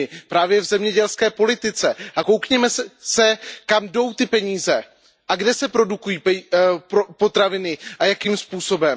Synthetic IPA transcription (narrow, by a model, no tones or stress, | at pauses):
ɪpɾaːvjɛvzɛmɲɛɟɛlskɛːpo̞lɪt̪ɪt͡sɛʔako̞wkɲɛmɛssɛkamdo̞wt̪ɪpɛɲiːzɛ | ʔaɡdɛsɛpɾo̞dukujiːppopo̞t̪ɾavɪnɪʔajakiːmspuːso̞bɛm